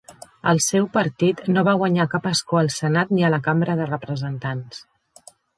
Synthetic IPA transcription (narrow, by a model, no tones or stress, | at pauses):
əlˠsɛwpəɾt̪it̪noβaɣwəɲakapəskoəlˠsənat̪niələkambɾəðərəpɾəzənt̪ans